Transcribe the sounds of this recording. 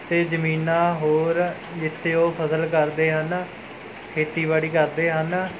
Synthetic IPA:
t̪eːzəmiːnãːɦoːɾ | d͡ʒɪt̪ʰːeːoːpʰəsəlkəɾd̪eːɦən | kʰeːt̪iːbaːɽiːkəɾd̪eːɦən

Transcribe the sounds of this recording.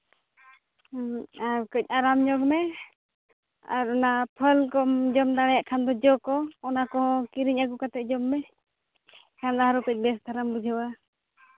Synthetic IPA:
aɾkɔc̚ˀaɾamɲɔɡmɛ | a̰ɾɔnapʰəlkɔmd͡ʒɔmd̪aɽɛjaʔkʰand̪ɔd͡ʒɔkɔɔnakɔɦɔ̃kiɾiɲaɡukat̪ɛʔ̚d͡ʒɔmːɛ | kʰand̪aɦaɾɔkɔc̚bɛsd̪ʰʱaɾambud͡ʒʱɛwa

